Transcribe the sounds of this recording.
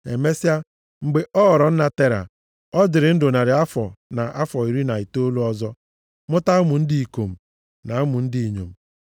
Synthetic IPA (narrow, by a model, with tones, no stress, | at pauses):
ḛ˨me˦sja˦ | ŋ͡m̩˨ɡ͡be˨ʔɔ˦˨ɾɔ˨n̩˦na˨te˦ɾa̰˨ | ɔ˦dɪ˨ɾɪ˨n̩˦dʊ˨na˨ɾɪ˨a˦fɔ˨na˨ʔa˦fɔ˨i˨ɾi˦na˨i˨to˦lu˦ɔ˦zɔ˦ | mʊ˦ta˦mʊ˨n̩˦di˦i˨ko˨m̩˨ | na˨˦mʊ˨n̩˦di˦i˨ɲo̰˨m̩˨